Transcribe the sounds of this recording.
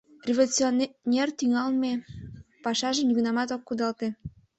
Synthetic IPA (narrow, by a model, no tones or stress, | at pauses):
rʲevolʲut͡sionnʲert̪yŋɑlmepɑʃɑʒenyɡnɑmɑt̪okːud̪ɑlt̪e